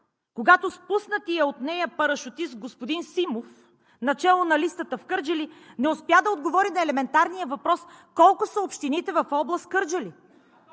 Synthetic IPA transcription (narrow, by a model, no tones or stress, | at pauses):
koɡat̪ospusnət̪iɐot̪nɛjəpɐɾəʃʊt̪ist̪̚ɡospʊd̪insimof | nɐt͡ʃɛlˠonɐlist̪ət̪əfkɤɾd͡ʒəlinɛʊspjad̪ɐod̪ɡovɔɾinɐɛlɛmɛnt̪aɾnijəvɐpɾɔskɔlˠkʊsɐopʃt̪init̪ɛvɐfɔblˠɐst̪kɤɾd͡ʒəli